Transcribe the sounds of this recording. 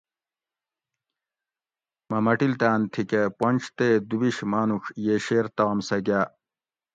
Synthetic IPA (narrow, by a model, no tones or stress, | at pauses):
mɐmɐʈilt̪aːnt̪ʰikeponʲt͡ɕʰt̪ed̪ubiɕmaːnukjeːɕeːɾt̪aːmsɐɡaː